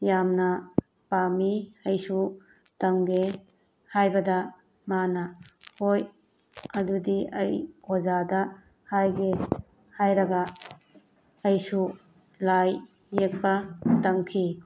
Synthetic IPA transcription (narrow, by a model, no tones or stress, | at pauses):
jamnɐ | pamiɐjsu | tɐŋɡe | hajbɐdɐ | manɐhoj | ɐdudiɐjkʰɔzadɐ | hajɡe | hajɾɐɡɐ | jsu | lajː | ek̚bɐtɐŋkʰi